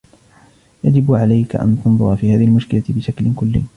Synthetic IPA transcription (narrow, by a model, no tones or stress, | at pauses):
jad͡ʒɪbʕalajka̰ʔa̰nt̪ɑnðˤʊɾɑfiːhaːðɪhlmʊʃkɪlabɪʃaklɪkʊlːɪ̰ː